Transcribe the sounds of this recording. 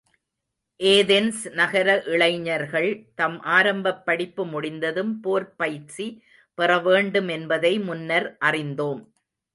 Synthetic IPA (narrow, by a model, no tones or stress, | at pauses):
ʔeːðɛnsnɐɣɐɾɐʔɪɭɐɪɲɐɾɣɐɭt̪ɐmʔaːɾɐmbɐpːɐɽɪpːɯmʊɽɪnd̪ɐðɯmpoːɾpɐjʈt͡ʃi | pɪrɐʋeːɳɖɯmɛnbɐðɐɪmʊnːɐɾʔɐrɪnd̪oːm